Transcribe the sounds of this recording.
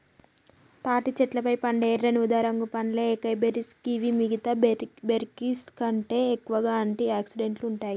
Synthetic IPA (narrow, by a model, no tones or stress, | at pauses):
t̪aːʈit͡ʃɛʈlɐpɐjpɐɳɖeːɾːɐnud̪aːɾɐŋɡupɐnlekɐjbeɾiskiʋimiɡit̪ɐbeɾkiskɐɳʈe̞ːekːuʋɐɡaːɐɳʈiaːksiɖe̞ɳʈluɳʈaːji